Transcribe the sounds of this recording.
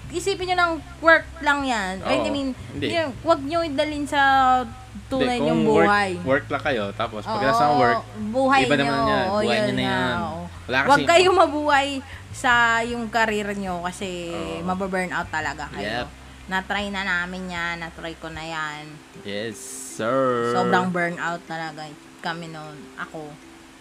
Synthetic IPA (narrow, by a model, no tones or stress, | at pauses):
ʔɪsiːpɪnɲonɐŋ | wɛɹk̚lɐŋjanʔɛd̪aminonwɐɡ̚ɲoɪd̪ɐlɪnsɐ | t̪uːnɐjɲʊŋbuːhajwɛɹk̚lɐkɐjot̪aːposwʔoɐɡɡ̪asawɛɹbuːɦɐjɐɲɐanaʔojonaoʔo | wɐlaːwɐɡkɐjomɐbuːhɐjsɐjʊŋkɐɾɛːɾɐɲokɐsɛmɐbɐbɛɹnʔawt̪ːɐlɐɡakɐjɛo | nɐt̪ɾajnɐnaːmɪnɲanːɐt̪ɾajkonɐjan | jɛsɛsoːbɾɐŋbɛɹnʔawt̪ːɐlɐɡa | kɐmɛnonʔɐko̞